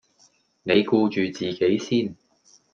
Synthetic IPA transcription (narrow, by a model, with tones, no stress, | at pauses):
ne˨˧jkuː˧t͡ʃyː˨t͡siː˨˩ke˨˥jsiː˥˩n